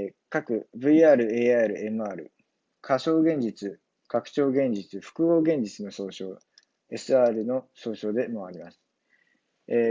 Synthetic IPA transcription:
kakɯ̟bɯ̟iaːɾɯ̟e̞ːaɾɯ̟e̞mɯ̟aːɾɯ̟̰ | kʰaso̞ːɡẽ̞ɲ̟d͡ʑit͡sɨ | kakɯ̟̥t͡ɕo̞ːɡẽ̞ɲd͡ʑit͡sɨɸɯ̟̥kɯ̟ɡo̞ːɡẽ̞ɲ̟d͡ʑit͡sɨno̞so̞ːɕoː | e̞sɨaːɾɯ̟no̞so̞ːɕo̞ːd̪e̞maβaɾʲimasɨ̥ | e

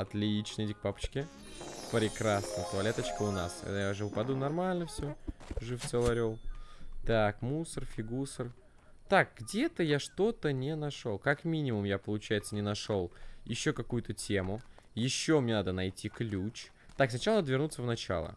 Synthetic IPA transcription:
ɐt̪lʲɪit͡ɕnəjdʲik̚papə̥t͡ɕkʲɪ | pɾʲɪkɾasnəjt̪oɐlʲe̞t̪ət͡ɕkəʊnasɐ̰d̪jaʐɨvʊpɐd̪unɐrmalʲnəfsʲoʐɨfsolˠɐɾʲolˠt̪akmusərfʲɪɡusər | t̪ak̚ɡdʲe̞t̪əjaʂt̪o̞t̪ənʲɪnɐʂolˠkɐkmʲinʲɪmʊmjapəlˠʊt͡ɕæjɪt̪sənʲɪnɐʂo̞lˠjɪɕːokɐkujʊt̪ətʲe̞mʊ | jɪɕːo̞mnʲe̞nad̪ənɐjtʲiklʲut͡ɕ | t̪aksnɐt͡ɕalˠəɐd̪vʲɪrɾnut̪səvnɐt͡ɕa̰lˠə̰

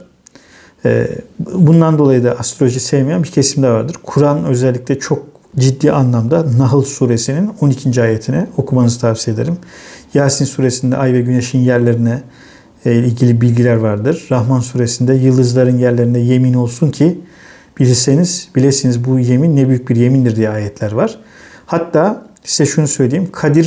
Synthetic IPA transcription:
ɛ̰bund̪and̪o̞lˠajɯd̪aʔast̪ɾooʒisejmejanbiɾcʰe̞simd̪ɛvaɾd̪ɯɾ̥kʰuɾanø̞zɛlʲːiclʲɛt͡ʃʰo̞k̚ | d͡ʒid̪ːiːʔanlˠamd̪anaɦɯlˠsuːɾe̞sinino̞nicʰind͡ʒiaːjet̪ʰinɛo̞kʰumanɯzɯt̪ʰafsije̞d̪eɾimjaːsinsuːɾe̞sind̪ɛ̰ʔajvɛɟyne̞ʃinjæɾlʲe̞ɾinɛ | ilʲɟilʲibilʲɟilʲæɾvaɾd̪ɯɾ̥ːaɦmansuːɾe̞sind̪ɛjɯlˠd̪ɯzlˠaɾɯnjæɾlʲeɾind̪ɛje̞mino̞lˠsuncʰi | b̥ilʲiɾse̞niz̥bilʲeɾsinizbuje̞minːɛbyjyc̚biɾje̞mind̪iɾd̪ijɛaːjɛt̪ʰlʲæɾvaɾ̥ | hat̪ːaːsizɛʃunusø̞jlʲejimkʰad̪iɾ

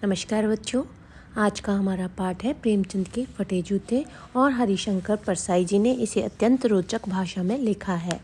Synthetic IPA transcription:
nɐməʃkaːɾbɐtːʃo | aːd͡ʒkaɦɐmaːɾapaːɾʈɦɛpɾeːmt͡ʃɐ̃nd̪kefɐʈed͡ʒuːt̪ẽ | ɔːɾɦɐɾiʃə̃ŋkəɾpɐɾsaːid͡ʒineʔɪseɐt̪jə̃nt̪ɾoːt͡ʃəkbʱaːʃamẽlɪkʰaɦɛː

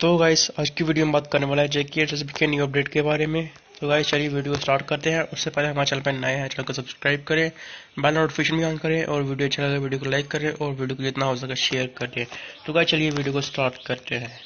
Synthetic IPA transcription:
t̪oɡaːɪsaːd͡ʒkiʋiːɖijombaːt̪kɐɾneʋaːlaɦɛd͡ʒekisɐs̬bkenjiəp̚ɖeːʈkebaːɾemẽ | t̪oɡaːɪzt͡ʃɐlieʋiːɖijokosʈaːɾʈkɐɾt̪eɦɛ̃ʔʊsːepɛɦleɦɐmaːɾt͡ʃɐlpẽnɐjɦɛt͡ʃɐlõkesɐbskɾaːɪb̚kɐɾẽbɛːlɔɖfʰiːʃənbʱiãːnkɐɾẽʔɔːɾʋiːɖijoɐt͡ʃʰelɐɡaʋiːɖijokolaɪkːɐɾẽʔɔːɾʋiːɖijokod͡ʒɪt̪naɦoːzɐkaʃeːəɾkɐɾt̪eɦɛ̃ːt̪oɡaːɪzt͡ʃɐlieʋiːɖijokosʈaːɾʈkɐɾt̪eɦɛ̃ː

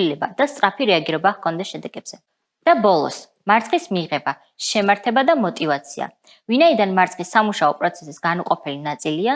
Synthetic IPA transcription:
ilɛbad̪̥ast̪sʼɾapʰiɾɛaɡiɾɛbahkʰɔnd̪ɛsʃɛd̪ɛɡ̥ɛbz̥ɛ | d̪̥abɔlˠɔ̰s | maɾt̪sʰʼχʼismiʁɛba | ʃɛmaɾt̪ʰɛbad̪amɔt̪ʼivat̪sʰia̰ | vinaid̪anmaɾt̪sʰʼχisːamuʃaɔpʼɾɔt̪sʰɛ̥sisɡ̥anuqʼɔpʰɛlinat̪sʼilia

